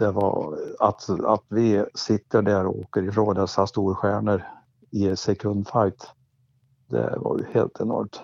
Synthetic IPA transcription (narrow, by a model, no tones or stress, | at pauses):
d̪̥ɛvɑ̰at̪at̪vɪsɪt̪ːəɖæɾɔoːkəɾɪfɾoːŋd̪ɛsast̪uːɾɧæːɳəɾ | ɪsɛkʰɵnd̪fajt̪ | d̪ɛ̰vɑ̰ɾj̰heːlt̪ʰɛnɔ̰ɾmt̪